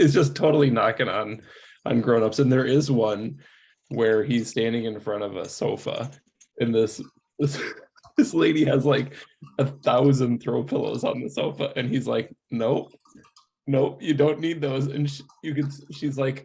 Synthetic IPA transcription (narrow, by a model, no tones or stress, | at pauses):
ɨtzd̥d͡ʒ̥ʌs̬tʰoʊɾl̩ˠinɑ̰kɪ̃ŋə̰̃n | ʔə̰̃nɡɹõʊ̃nʌpsɨ̃nðə˞ʔɪzwʌ̃n | wə˞iz̥stæ̃ndɪ̃ŋɨ̃nfɹʌ̃ɾ̃ʌvə̰soʊfə̰ | ɨ̃nðɪs | ðɪs | ðɪsleɪɾiɨzlaɪkɨθaʊzɨ̃nθɹoʊpʰɪlˠo̰ʊzn̩ðəsoʊfəʔɨ̃nizla̰ɪk̚noʊ | noʊʔjɨdõʊ̃nːid̪̚ðoʊzɨ̰̃nʃjɨkɨ̃nʃizlaɪk